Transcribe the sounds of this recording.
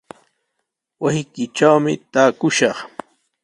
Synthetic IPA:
wasɪkɪʈ͡ʂawmɪ̰t̪aːkʊʃɑχ

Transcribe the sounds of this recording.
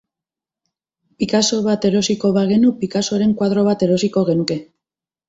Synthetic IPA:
pikaso̞β̞at̪e̞ɾo̞siko̞βaɣ̞e̞nupikaso̞ɾe̞ŋkwað̞ɾo̞β̞at̪e̞ɾo̞siko̞ɣ̞e̞nuke̞

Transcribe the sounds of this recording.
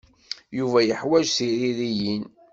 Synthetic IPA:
juvæjəħwæd͡ʒθiɾiɾijin

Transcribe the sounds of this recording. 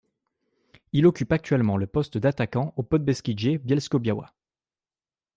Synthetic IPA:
ilɔkʲypak̚t̪ɥɛlmɑ̃ləpɔst̪d̪at̪akɑ̃opɔt̪̚bɛskʲiʒebjɛlskobjawa̰

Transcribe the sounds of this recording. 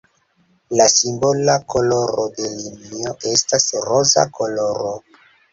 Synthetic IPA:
lasimbolakʰo̞lo̞ɾode̞linioʔe̞stasɾoza̰kʰo̞lo̞ɾo

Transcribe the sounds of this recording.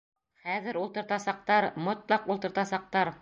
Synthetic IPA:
χæðɘɾulˠt̪ɤ̆ɾt̪ɑsɑq̚t̪ɑɾmŏt̪lˠɑqulˠt̪ɤ̆ɾt̪ɑsɑq̚t̪ɑɾ

